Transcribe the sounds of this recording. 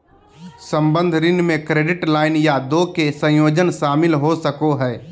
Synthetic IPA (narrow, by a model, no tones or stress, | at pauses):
sə̃mbə̃nd̪ʱɾɪnmẽkɾeːɖɪʈlaːɪnjad̪oːkesə̃joːd͡ʒənʃaːmɪlɦosəkoɦɛː